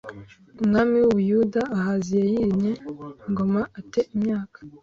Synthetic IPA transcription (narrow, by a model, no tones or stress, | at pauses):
umŋaːmiwujudaːhazijejiɾiɲeŋɡo̞maate̞ʔimɲaːkḁ